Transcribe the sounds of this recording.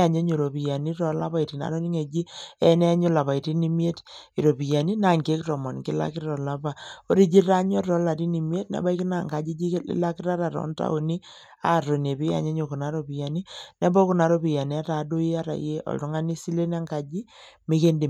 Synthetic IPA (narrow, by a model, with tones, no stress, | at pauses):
a˨ɲe˦ɲo˨ɾo˨pi˨ja˨ni˦ɾɔ˨˦la˦pa˦i˨ti˨na̰˨ɾo˦ni˦ŋe˨d͡ʒi˦ɛ˦nɛ˦a˦ɲo˦la˨βa˨i˨ti˦ni˦mi˦e˦ti˨ɾo˨pi˨ja˨ni˦na˦˨ŋɡe˦krɔ˨mɔ˨nkɪ˦la̰˦kɪ˦ɾɔ˨la˨pa˨o˦ɾi˦d͡ʒi˦ɾa˦ɲ˦ɔ˦ɔ˨˦la˨ti˦ni˨mje˦tna̰˨˦ba˦i˦ki˦na˦˨ŋɡa˨d͡ʒi˦d͡ʒḭ˦la˦kɪ˦ɾa˦ɾa˨ɾɔ̰˨˦nta̰˦o˨ni˦ | a̰˦˨ro˨ne˨pi˦ja̰˨ɲe˦ɲo˨ku˨na˨˦ɾo˨pi˨ja˨ni˦nɛ˦bɔ˦ku˦na˨ɾo˦pi˨ja˨ni˨˦a˦ta˨do˦ji˦a˦ɾa̰˨je˦ɔ̰˨ltu˦ŋa˦ni˦si˦le˦n˦a˦ŋɡa˨d͡ʒi˦mi˦ke˦ndi˨